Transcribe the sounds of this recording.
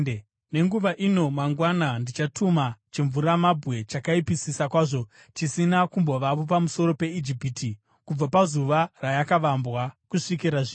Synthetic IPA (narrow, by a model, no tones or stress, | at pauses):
ne̞ŋɡuʋaʔino̞maŋɡwanandit͡ʃatʰumat͡ʃeɱvuɾamabʱɣe̞t͡ʃakaipisisakwaːʐo̞ | t͡ʃisinakumbo̞ʋaʋopamuso̞ɾo̞pe̞id͡ʒipitʰi | kub͡vapazuʋarajakaʋambwakuʂikiɾaʐiː